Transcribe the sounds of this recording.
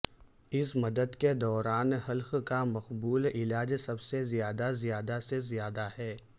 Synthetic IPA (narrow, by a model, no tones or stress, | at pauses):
ɪsmɐd̪əd̪ked̪ɔːɾaːnhɐlxkamɐqbuːlɪlaːd͡ʒsɐbsezijaːd̪azijaːd̪asezijaːd̪ahɛː